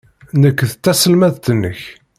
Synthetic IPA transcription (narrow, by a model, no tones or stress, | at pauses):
nəkːθət̪ːæsəlmæðt̪ənːə̰ç